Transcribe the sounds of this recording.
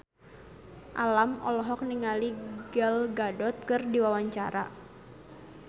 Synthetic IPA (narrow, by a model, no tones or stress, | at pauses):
ʔalamɔlɔɦɔk̚niŋaliɡalɡadɔt̪̚kɨrdiwawaɲt͡ʃaɾa